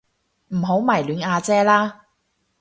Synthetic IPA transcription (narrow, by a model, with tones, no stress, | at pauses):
m̩˨˩ɦo˨˥wmaː˨˩jlyː˨˧naː˧t͡sɛː˥laː˥